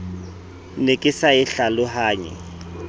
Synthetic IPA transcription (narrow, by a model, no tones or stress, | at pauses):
nekʼɪsaɪɬalʊɦaːɲɛ̰